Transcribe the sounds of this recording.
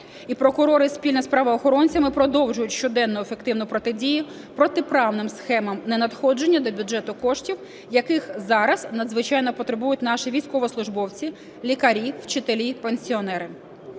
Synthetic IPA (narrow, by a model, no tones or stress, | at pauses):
ipɾɔkʊɾɔɾɪspʲilʲnɐspɾɑʋɐːxɔɾɔnʲt͡sʲɐmɪpɾɔd̪ɔwʒʊjʊtʲʃt͡ʃɔd̪ɛnːʊjʊefekt̪ɪwnʊpɾɔt̪ɪdʲijʊ | pɾɔt̪ɪpɾɑwnɪmsxɛmɐmnenɐt̪xɔd͡ʒe̞nʲːɐd̪ɔbʲud͡ʒɛt̪ʊkɔʃtʲiw | jɐkɪxzɑɾɐznɐd̪zʋɪt͡ʃɑjnɔpɔt̪ɾebujʊtʲnɑʃiʋʲijsʲkɔʋɔslˠʊʒbɔwt͡sʲi | lʲikɐɾʲiwt͡ʃɪt̪elʲipenʲsʲiɔnɛɾɪ